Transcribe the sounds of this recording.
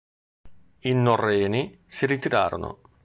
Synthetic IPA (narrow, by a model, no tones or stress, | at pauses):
inːorːɛːni | siɾit̪iɾaːɾo̰no̰